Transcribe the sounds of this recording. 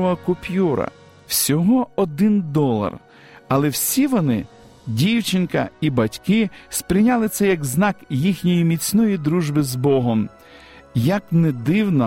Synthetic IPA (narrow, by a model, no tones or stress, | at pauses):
ɔɐkʊpʲjuɾɐ̰ | wsʲɔɦɔɔd̪ɪnd̪ɔlˠɐ̰r | ɐlˠɛwsʲiʋɔnɪ | dʲiwt͡ʃɪnkɐ̰ibɐtʲkɪspɾɪnʲalˠɪt̪sɛjɐɡznɑkjixnʲɔjimʲit͡sʲnɔjid̪ɾuʒbɪzbɔɦɔm | jɐknɛd̪ɪwnɔ